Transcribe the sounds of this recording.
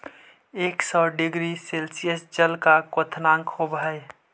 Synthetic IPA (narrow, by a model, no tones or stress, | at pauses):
eːksɔɖɪɡɾiselsijəsd͡ʒəlkakot̪ʰnãŋkhobɦəj